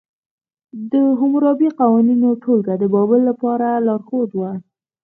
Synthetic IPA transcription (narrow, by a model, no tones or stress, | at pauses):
d̪əɦʊmɾɑbiqawɑninoʈʰolɡad̪əbɑbəlːapɑɾalɑɾxod̪wa